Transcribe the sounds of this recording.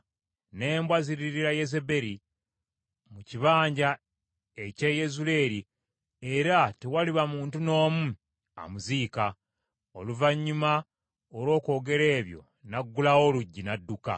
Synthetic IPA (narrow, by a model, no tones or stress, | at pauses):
neːmbwaziɾiɾiɾaje̞ze̞be̞ɾi | muciβaːɲɟa | e̞ceje̞zule̞ːɾi | eɾatewaliβamuːntuno̞ːmu | a̰muziːka | o̞luvaɲːuma | olo̞ːko̞ːɡe̞ɾe̞ːβjo̞̰ | naɡːulao̞luɟːinadːuka̰